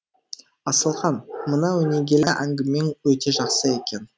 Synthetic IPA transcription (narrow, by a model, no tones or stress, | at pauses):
ɑsəlˠʁɑnmənɑwɵne̞ɡʲe̞lʔæŋɡʲɪme̞nwɵt̪e̞ʒɑqsəe̞kʲe̞n